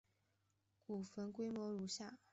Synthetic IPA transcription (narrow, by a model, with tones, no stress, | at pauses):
ku˨˩fə˧˥nkwe˥ɪmwɔ˧˥ɻu˧˥ɕja˥˩